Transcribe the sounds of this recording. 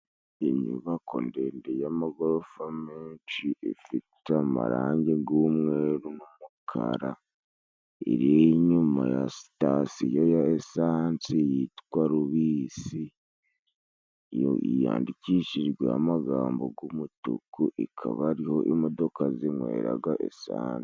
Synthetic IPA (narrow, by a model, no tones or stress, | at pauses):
iɲuβakʰo̰ndendejamaɡoɾofameːnt͡ʃiʔefitama̰ɾaːɲɟeɡumweːɾunumukʰa̰ɾa | ḭɾieɲumaja̰si̥tasijojaesaːnsijitkwaɾuβiːsi | o̰ija̰ːndicit͡ʃiɾɡweamaɡaːmbo̞ɡumutṵkuʔikʰaβaɾiho̞ʔimo̞do̞kazimwḛːɾaɡaʔḛsaːnsi̥